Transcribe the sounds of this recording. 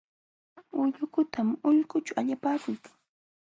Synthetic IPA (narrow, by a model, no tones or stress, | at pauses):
ʊʎʊkʊt̪ʰamʊʎkʊt͡ʃʊaʎapaːkʊjkḁŋ